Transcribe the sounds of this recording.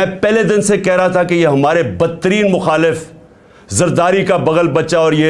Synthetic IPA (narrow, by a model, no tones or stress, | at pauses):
ɛ̃ːpɛːled̪ɪnsekɛɦɾɐɦat̪ʰakejeɦɐmaːɾebɐt̪ːəɾiːnmʊxaːlɪf | zɐɾd̪aːɾikabɐɣəlbɐt͡ʃaɔːɾjeː